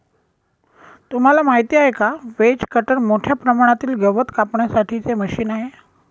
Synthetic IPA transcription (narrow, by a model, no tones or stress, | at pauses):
t̪um̤alamaɦit̪iːaɦekaʋet͡skəʈəɳmoʈʰjapɾəmaɽ̃at̪iːlɡəʋət̪kapɳjasaʈʰiːt͡seməɕiːnaɦe